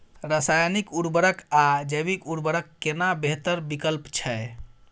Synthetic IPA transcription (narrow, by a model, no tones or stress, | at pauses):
ɾəsajnikuɾbəɾəkad͡ʒəbikuɾbəɾəkːenabeɦt̪əɾbikəlpt͡ʃʰɛ